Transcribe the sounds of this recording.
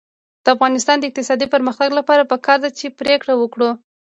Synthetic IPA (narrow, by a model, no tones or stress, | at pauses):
d̪̥əafɣɑnɪst̪ɑnd̪əɪq̚t̪ɪsɑd̪ipəɾməxt̪aɡlapɑɾapəkɑɾd̪at͡ʃepɾekɽawəkɽu